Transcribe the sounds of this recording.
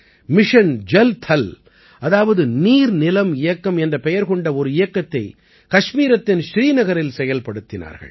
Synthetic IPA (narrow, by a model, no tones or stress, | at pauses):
mɪʂɐnd͡ʒɛlt̪ʰɐl | ʔɐðaːʋɐðɯniːɾnɪlɐmɪjɐkːɐmɛndrɐpɛjɐɾkɔɳɖɐɔɾɯɪjɐkːɐt̪ːɐɪ | kɐʂmiːɾɐt̪ːɪnʃɾiːnɐɣɐɾɪlsɛjɐlpɐɽɯt̪ːɪna̰ːɾɣɐ̰ɭ